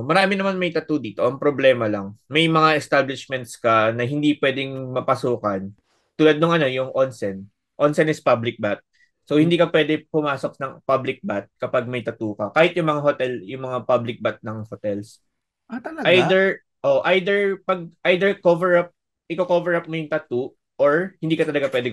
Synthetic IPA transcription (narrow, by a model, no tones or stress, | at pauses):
mɐɾaːmɪnɐmanmɐjt̪ɐt̪uːd̪iːt̪o̞ʔɐŋpɾoblɛːmɐlɐŋmɐjmɐŋaʔɛst̪ablɪʃmɛnt̪̚skɐnɐɦɪnd̪ipwɛːd̪ɪŋmɐpɐsuːkɐn | t̪uːlɐd̪̚nʊŋʔɐno̞jʊŋʔonsɛn | ʔonsɛnɪspablɪk̚bat̪̚ | sowhɪnd̪iːkɐpwɛːd̪ɛpʊmaːsok̚nɐŋpablɪk̚bat̪̚kɐpaɡ̚mɐjt̪ɐt̪uːkɐkaːhɪt̪̚jʊŋmɐŋahot̪ɛljʊŋmɐŋapablɪk̚bat̪̚nɐŋhot̪ɛls | at̪ɐlɐʔajd̪ɛɹ | ʔoʔʔajd̪ɛɹpɐɡ̚ʔajd̪ɛɹkovɛɹap̚ | ʔɪkokovɛɹʔap̚mojʊŋt̪ɐt̪u | ʔoɹhɪ̃nd̪iːkɐt̪ɐlɐɡapwɛːd̪ɛ